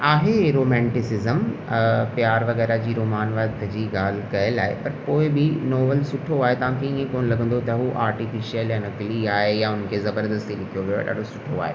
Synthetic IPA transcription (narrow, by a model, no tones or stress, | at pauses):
aːɦeɾoːmɛ̃ːɳʈɪsɪzəmpjaːɾʋɐɣɛːɾad͡ʑiːɾoːmaːnʋad̪d͡ʑiːɡaːl̤ɪkɐjəlaːɦḛpɐɾpoːɪbɪnɔːʋəlsʊʈʰoaːɦet̪ɐʋ̤ãkʰeĩːẽkoːnlɐɡʱə̃nd̪ot̪ɐɦuʔaːɾʈifiʃijəljanɐkliaːɦejaʊnə̆kʰezɐbəɾd̪əst̪ilɪkʰijoʋijo̰ɗa̰ːɖosʊʈʰoa̰ːɦḛ